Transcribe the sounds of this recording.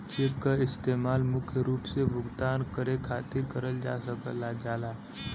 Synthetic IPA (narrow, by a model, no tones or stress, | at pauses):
t͡ʃekkaɪst̪eːmaːlmʊkʰjəɾuːpsebʱʊɡt̪aːnkəɾekʰaːt̪ɪɾkəɾəld͡ʒa̰ːsəkə̰lːad͡ʒaːlaː